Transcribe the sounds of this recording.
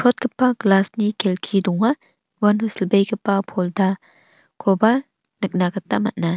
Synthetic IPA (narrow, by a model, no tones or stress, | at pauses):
pʰɔt̚ɡɐpːaɡlasnikʰelkʰidɔŋa | wanɦuslbejɡɯpːapʰɔlda | kʰɔba | nɯk̚naɡat̪ːamɐt̚na